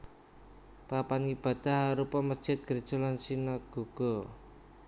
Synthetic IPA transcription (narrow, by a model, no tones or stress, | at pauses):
papanib̥ä̤d̪̥a̤haɾupɔməd̥ʒ̥ɪ̤t̪̚ɡ̥ərd̥ʒ̥o̤lansinɔɡ̥ṳɡ̥o